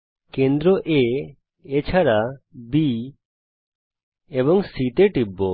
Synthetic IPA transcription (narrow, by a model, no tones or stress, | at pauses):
kɛ̃nd̪ɾɔʔɛ | ɛt͡ʃʰaɾabi | ebɔŋsit̪eʈibːɔ